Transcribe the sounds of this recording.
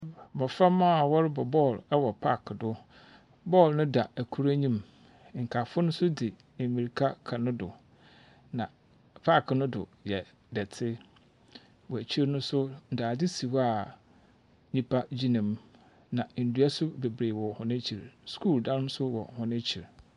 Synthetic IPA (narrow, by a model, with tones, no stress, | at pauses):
mɔ̃˨fã˦ma˦˨wɔ˦ɾɪ˦bɔ˨bɔ˦˨lɛ˦wɔ˨pʰa̰˦˨kʰdʊ˦ | bɔ˦˨lnʊ̃˦da˨æ˨kʰu˦ɾæ˦ɲĩ˦m | ŋ̩˨kʰa˨fʊ˦nʊ̃˦sʊ˦dɪ˨ | e˨mi˨ɾi˨kʰa˦kʰa˨nʊ̃˦dʊ˨ | nã˨ | pʰa˦˨knʊ̃˦dʊ̰˨jɛ˨ | dɛ˨tʰɪ˦ | wɔ˨æ˨t͡ɕʰi˦ɾnʊ̃˦sʊ˦n̩˨daː˨dɪ˦si˨wa˦˨ | ɲĩ˦pʰa˦d͡ʑi˦nã˨m | nã˨n̩˨du˨˦a˦sʊ˦be˨bɾeː˨wɔ˨hʊ̃˨nɪ̃˦t͡ɕʰi˨ɾskʰu˦˨ldã˦ɾnʊ̃˦sʊ˦wɔ̰˨hʊ̃˨nɪ̃˦t͡ɕʰi˨ɾ